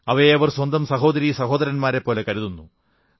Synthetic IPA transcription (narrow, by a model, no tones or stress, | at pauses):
ɐʋɐeɐʋɐrswɐnd̪ɐmsɐɦo̞ːd̪ɐɾisɐɦo̞ːd̪ɐɾɐnmaːɾepːo̞ːle̞kɐɾuðunːu